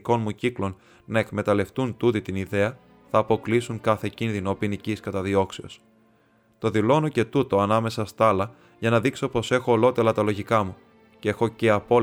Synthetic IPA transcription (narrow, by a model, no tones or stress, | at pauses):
ko̞nmuciklo̞n | nɐekme̞t̪ɐle̞ft̪unt̪ut̪it̪iniðe̞ɐ | θɐːpo̞klisuŋkɐθe̞cinðino̞piniciskɐt̪ɐðio̞kseo̞̰s | t̪o̞ðilo̞no̞ce̞t̪ut̪o̞ɐnɐme̞sɐst̪ɐlɐ | ʝɐnɐðikso̞po̞se̞xo̞ːlo̞t̪e̞lɐt̪ɐlo̞ʝikɐmu | cee̞xo̞ce̞ɐpo̞